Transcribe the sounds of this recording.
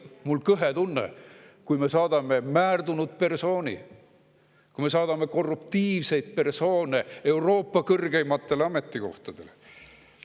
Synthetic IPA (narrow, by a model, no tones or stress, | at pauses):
mulkɤɦe̞t̪unːḛkujme̞sɑːd̪ɑme̞mæːrd̪unut̪̚pe̞rso̞ːnḭ | kujme̞sɑːd̪ɑme̞ko̞rːupt̪iːvse̞jd̪̥̚pe̞rso̞ːnee̞wro̞ːpːɑkɤrɡe̞jmɑt̪ːe̞lɑme̞t̪ːˑiko̞̰ht̪ɑd̪̥e̞̰le